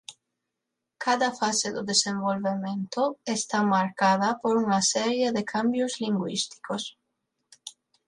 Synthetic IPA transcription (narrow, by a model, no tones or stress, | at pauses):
kʰaðɐfaseðʊðesẽmbolβemẽnt̪oest̪amaɾkaðɐpoɾuŋasɛɾjeðekʰambjozliŋɡwḭst̪i̥kos